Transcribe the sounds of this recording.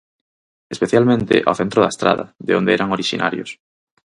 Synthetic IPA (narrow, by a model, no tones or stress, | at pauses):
espeθjalmẽnt̪ḛʔa̰wθent̪ɾoðaest̪ɾa̰ða̰ðḛond̪eɛɾaŋoɾiʃḭnʔa̰ɾjos